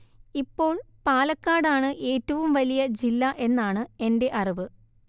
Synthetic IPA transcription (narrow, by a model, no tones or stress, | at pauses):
ipːo̞ːɭpaːlɐkːaːɽaːɳɨʔe̞ːtːɐʋumʋɐlijɐd͡ʑilːɐʔe̞nːaːɳɨe̞nde̞ʔɐriʋɨ